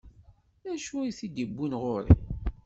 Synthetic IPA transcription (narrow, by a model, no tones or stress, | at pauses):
æʃujiθid̪ibːunʁʊɾḭ